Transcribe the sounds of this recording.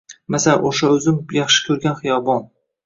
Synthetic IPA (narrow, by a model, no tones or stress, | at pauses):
masala̰ʔoʃaɵzɪmjɑχʃɪ̥kʲʰɵɾɡʲanχɨjɒbɒn